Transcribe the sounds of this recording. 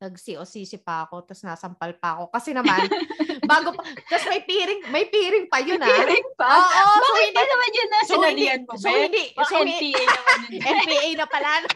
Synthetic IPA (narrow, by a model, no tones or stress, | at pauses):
nɐɡsiʔosiːsɪpɐɐko̞t̪ɐsnaːsɐmpɐlpɐɐko̞kɐsɛnɐmanbaːɡopɐt̪ɐsmɐjpiːɾɪŋmɐjpiːɾɪŋpɐjonɐɾɪŋpoʔoɪnd̪inɐmɐnjɐnːɐssoɐɪnld̪iɐnmosohɪnd̪iʔkɐsɛ | ʔɛnpiːʔɐjnɐpɐlaːlo